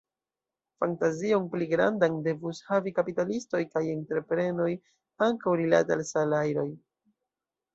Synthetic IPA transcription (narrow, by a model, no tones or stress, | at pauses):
fantazio̞npliɡɾa̰ndande̞vushavikapitalisto̞jkaje̞ntɾe̞pɾe̞no̞j | aŋkawɾila̰tealsalajɾo̞j